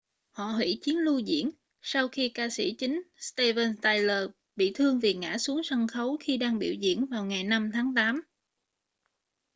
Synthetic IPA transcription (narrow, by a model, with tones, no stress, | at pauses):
hɔ̰˧˨hwḭ˧˥t͡ɕi˨˦ənlu˧zḭ˧˥ən | sa˧wxi˧kaː˧sḭ˧˥t͡ɕï˨˦ŋ̟st̪e˧vəː˧nt̪aː˧jləː˨˩ | ɓḭ˧˨t̪ʰɨ˧əŋvi˨˩ŋa̰ː˧˥su˨˦əŋsa˧ŋxə˨˦wxi˧ɗaː˧ŋɓḭ˧˨wzḭ˧˥˨ənvaː˨˩wŋa˨˩jna˧mt̪ʰaː˨˦ŋt̪aː˨˦m